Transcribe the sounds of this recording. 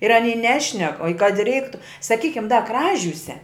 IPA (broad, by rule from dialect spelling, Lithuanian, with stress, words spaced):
ɪr ɐˈnʲiː ˈnʲæːʃʲnʲɛk oː ɪ kɐt ɪ ˈrʲɛɪktʊ sɐˈkʲiːkʲɪm dɐ ˈkrɑːʒʲuːsʲɛ